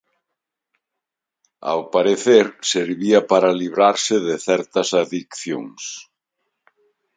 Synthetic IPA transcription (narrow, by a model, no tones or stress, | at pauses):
a̰wpaɾeθeɾseɾβiapaɾaliβɾaɾseðeθɛɾt̪ɐsaðikθjo̰ŋs